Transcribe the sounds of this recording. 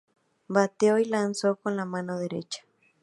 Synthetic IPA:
bat̪eojlansokonlamãnoðeɾe̞̰t͡ʃḁ

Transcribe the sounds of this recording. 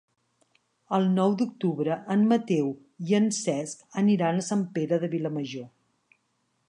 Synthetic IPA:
əlˠnɔwd̪uk̚t̪uβɾəʔəmmət̪ew | iənsɛskəniɾanəsampeɾəðəβiləməʒo

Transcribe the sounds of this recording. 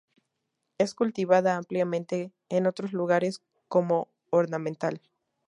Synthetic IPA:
e̞skult̪iβaðaampljamẽnt̪e̞ː | no̞t̪ɾo̞zluɣaɾe̞s | ko̞mo̞ː | ɾnamẽnt̪al

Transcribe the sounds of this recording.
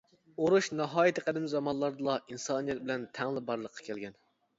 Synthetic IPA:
oɾuʃnɑɦɑːjɪt̪ʰɪqæd̪ɪmzɑmɑnlˠɑɾd̪ɨlˠɑinsɑːnijɛt̪̚bɪlɛnt̪ʰɛŋlˠɪbɑɾlˠəqʰːɑ̥kʲʰɛlɡʲɛn

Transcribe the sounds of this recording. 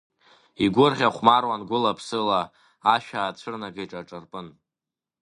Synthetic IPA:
iɡʷʊrʁʲaχʷmarwanɡʷʊlapʰsɨlaː | ʃᶣaːt͡ɕʷʰɨrnaɡaʈ͡ʂʼaʈ͡ʂʼarpʼɨn

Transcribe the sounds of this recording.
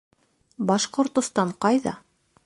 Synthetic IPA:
bɑʃqŏɾt̪ŏst̪ɑɴqɑjðɑ̰

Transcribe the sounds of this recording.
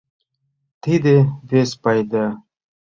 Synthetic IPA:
t̪ʰid̪evespajd̪a

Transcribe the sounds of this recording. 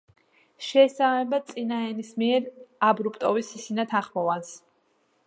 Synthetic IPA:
ʃɛːsamɛbat̪sʼinaɛnismiɛɾabɾupʼt̪ʼɔvisisinat̪ʰãχmɔvans

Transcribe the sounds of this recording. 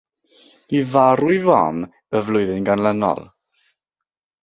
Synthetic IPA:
v̥ivaɾʊjvɔn | əvlˠʊɨðɪnɡanlˠənɔ̰lˠ

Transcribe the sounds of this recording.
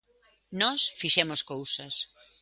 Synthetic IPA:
nɔsfiʃɛmoskowsɐs

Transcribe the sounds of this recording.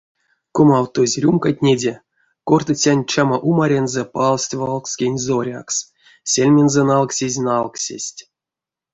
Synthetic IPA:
komawt̪ozʲrʲumkatʲnʲedʲe | kort̪ɨt͡sʲanʲt͡ʃamaʔumaɾʲenzɛpalˠsʲtʲvalˠksʲkʲenʲzoɾʲa̰ks | sʲelʲmʲenzɛnalˠksʲezʲnalˠksʲḛsʲtʲ

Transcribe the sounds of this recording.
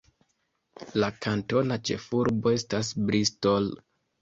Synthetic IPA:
lakʰanto̞nat͡ʃe̞̰fuɾbo̞e̞stasbɾistol

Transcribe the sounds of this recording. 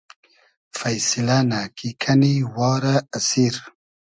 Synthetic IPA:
fajsɪlanakikʰaniwɑːɾaːsiɾ

